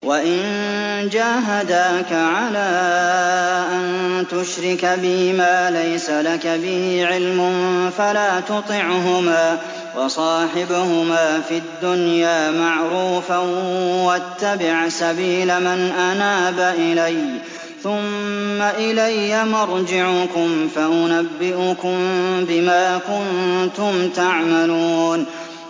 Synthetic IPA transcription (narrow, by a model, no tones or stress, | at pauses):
waʔɪn | d͡ʒaːɦad̪aːkaʕalaː | ʔant̪ʊʃɾɪkabɪmaːlajsalakabɪhɪʕɪlmʊnfalaːt̪ʊt̪ˤɪʕɦʊmaː | wɑsˤɑːħɪbʊhʊmaːfid̪ːʊnjaːmaʕɾuːfawat̪ːabɪʕsabiːlamanʔanaːbaʔɪlaj | θʊmːaʔɪlajːamɑɾˤd͡ʒɪʕʊkʊmfaʔʊnabːɪʔʊkʊmbɪmaːkʊnt̪ʊmt̪aʕmaluːn